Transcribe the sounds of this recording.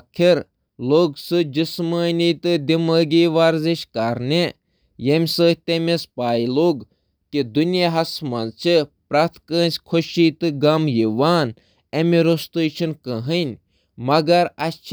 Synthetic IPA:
akʰiɾ | loːɡsɨd͡ʒisməːniːt̪ɨd̪iməːɡiːʋaːɾziʃkɐɾne | jemʲsɨːt̪emespaːiloːɡ | kid̪unjaɦɐsmɐnt͡ʃʰipɾɐt̪ʰkəːnʲsʲkʰoʃiːt̪ɨɡɐmjiʋaːn | emiɾost̪ut͡ʃʰinkəɦɨnʲ | mɐɡɐɾɐt͡ʃʰ

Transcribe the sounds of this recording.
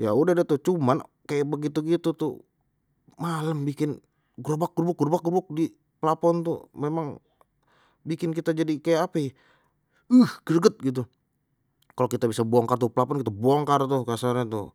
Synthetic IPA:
jaudahdat̪ut͡ʃuman | kajabəɡit̪uɡit̪ut̪ṵ | maləmbikɪn | ɡɾbak̚ɡərbʊk̚ɡərbak̚ɡurbʊk̚di | pəlapɔnt̪ṵmemaŋ | bikɪnk̬it̪ad͡ʒadikajaːpa | əhɡ̥ərɡət̪̚ɡit̪̬u | kalokit̪abisabuaŋkart̪uplapɔnkit̪abuaŋkart̪ukasarɲat̪ṵ

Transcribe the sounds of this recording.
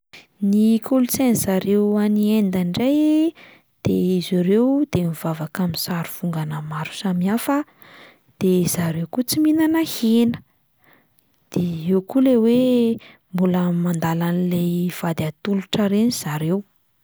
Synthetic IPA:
nikʰulut͡seniz̥aɾewaniend̪aɳɖ͡ʐaj | d̪̥eiziɾewd̪̥emivavakaminsaɾuv̥uŋɡanəmaɾu̥samiafə | d̪̥ezaɾewkut͡siminanahenə̥ | d̪̥eewkulewe | mbuləmand̪alanilev̥ad̪at̪uluʈ͡ʂaɾeniz̥aɾew

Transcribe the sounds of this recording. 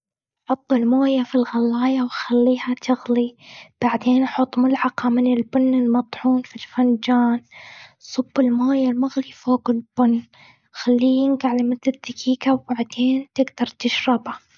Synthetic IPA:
ħʊt̪ˤːɪlmoːjafilɣalːɑːjawxalːiːhat̪ʰɪɣlib̥aʕd̪eːnħʊt̪ˤːmʊlʕɑqɑmɪnɪlbʊnːɪlmɑt̪ˤħuːnfilfand͡ʒaːnsˤʊbːɪlmoːjalmaɣlifoːɡɪlb̥ʊnː | xalːiːjɪŋɡaʕlamɪt̪ɪðakʰiːkawbaʕd̪̥eːnt̪ɪɡd̪ɑɾˤt̪ɪʃɾɪba

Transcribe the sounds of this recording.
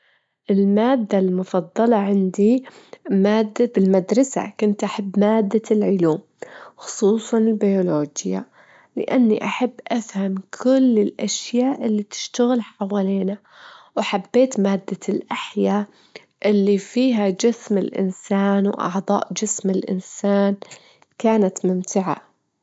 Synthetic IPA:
ʔɪlmaːd̪ːalmʊfɑd̪ˤːɑlɑʕɪnd̪imaːd̪ːabɪlmad̪ɾˤɑsa̰kʊnt̪ʔaħabːmaːd̪ːalʕʊluːm | xʊ̥sˤuːsˤɑnɪlbajʊloːd͡ʒja̰ | lɪ̰ʔanːḭʔaħabːʔafhamkʰʊlːɪlʔaʃjaːʔɪlːit̪ɪ̥ʃt̪aɣɪlħawaːliːna | waħabːeːt̪maːd̪ːalʔaħjaː | ʔɪlːifiːɦad͡ʒɪsmɪlʔɪ̰nsaːnwʔɑ̰ʕd̪ˤɑ̰ːʔd͡ʒɪsmɪlʔɪ̰nsaːn | kaːnat̪mʊmt̪ɪʕa̰

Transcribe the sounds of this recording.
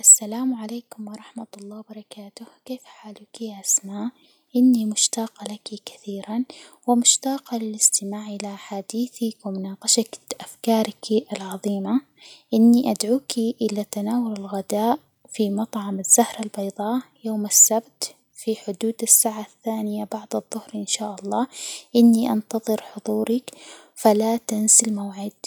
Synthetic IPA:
ʔasːalaːmʕaleːkʊmwɑɾˤɑħmat̪ɑlˤːɑːwbɑɾˤɑkaːt̪ʊhkeːfħaːlukiʔʔasmaːʔ | ʔɪnːimʊʃt̪ɑːqɑlakikḁθiːɾanwɪmʊʃt̪ɑːqɑlɪlʔɪst̪ɪmaːʕʔɪlaʔħaːd̪iːθiwɪmʊnɑːqɑʃakʔafkɑːɾˤɪkiʔɪlʕɑðˤiːma | ʔɪnːiʔad̪ʕuːkʰiʔɪlat̪anaːwʊlɪlɣad̪aːʔ | fimɑt̪ˤʕɑmɪzːahɾalbɑjðˤɑːjoːmɪsːabt̪ | fiħʊd̪uːd̪asːaːʕaθːaːnɪjabɑʕd̪ˤɨðˤːʊhɾʔɪnʃaːʔɑlˤːɑːʔɪnːiʔɑ̰nt̪ɑðˤɨɾħʊðˤuːɾɪkfalat̪ɪnsɪlmawʕɪd̪̚

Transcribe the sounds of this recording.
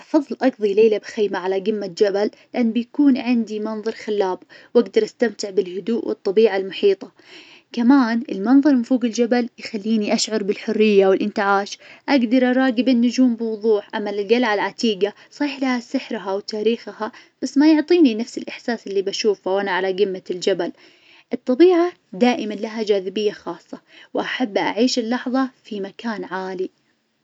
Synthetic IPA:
ʔɑfɑðˤːlʔɑɡðˤileːlabxaːmaʕalaɡɪmːad͡ʒaballːɪʔanːbɪjkuːnʕɪnd̪imɑnðˤɑɾˤxalːaːbwʔaɡd̪ɑɾˤʔast̪amt̪ɪʕbɪlhʊd̪uːʔwɨ̰t̪ˤːɑbiːʕalmʊħiːt̪ˤɑ | kamaːnʔɪlmɑnðˤɑɾˤmɪnfuːɡɪld͡ʒabaljxalːiːniʔaʃʕʊɾˤbɪlħʊrːɪjːawɪlʔɪnt̪ɪʕaːʃʔaɡd̪ɑɾˤʔɑɾˤɑːɡɪbɪnːʊd͡ʒuːmbɪwʊðˤuːħʔamːalɪlɡalʕalʕat̪iːɡa | sˤiːħlahasɪħɾɦawt̪aːɾiːxha | b̥asːmajʊʕt̪ˤiːninafsɪlʔɪħsaːsɪlːibaʃuːfawʔanaʕalaɡɪmːald͡ʒabal | ʔɨt̪ˤːɑbiːʕa | d̪aːʔɪmanlaɦad͡ʒaːðɪbɪjːaxɑːsˤːɑwʔaħabːʔa̰ʕiːʃɪlːɑħðˤɑfimakaːnʕaːli

